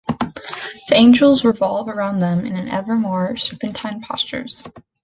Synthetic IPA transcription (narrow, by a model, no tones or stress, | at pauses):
ðiẽɪ̃nd͡ʒl̩ˠzɹɪvɑlˠvə˞ãʊ̃nðə̃mɨ̰̃nɨ̃nʔɛ̰və˞mɔɹsəpɨ̃ntʰãɪ̃npʰɑ̰st͡ʃə̰˞z̥